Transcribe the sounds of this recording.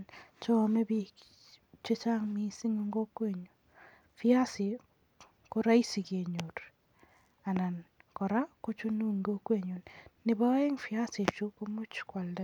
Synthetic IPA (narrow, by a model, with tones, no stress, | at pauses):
nt͡ʃɔ˦˨me˦bi˦ | t͡ʃe˦t͡ʃa˦ŋmi˦si˦ŋo˦ŋɡo˦kwe˦˨ɲo˨ | fɪ˦a˦sɪ˨ | ko˦ɾa˦i˦si˨kje˨ɲo˨ɾ | a˨na˨nkɔ˨ɾa˦ko˦t͡ʃo˦nu˦ŋɡo˦kwe˦˨ɲo˨nnɪ˨ba˦ɪ˦ŋfɪ˨a˦sɪ˨t͡ʃu˦ko˦mu˦t͡ʃkwa˨lda˦˨